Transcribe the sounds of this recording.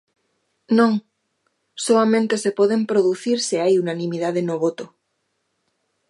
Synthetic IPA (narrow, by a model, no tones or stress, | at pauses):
nõŋ | soamẽnt̪e̞se̞poð̞empɾoðuθiɾseajunanĩmiðaðenoβot̪o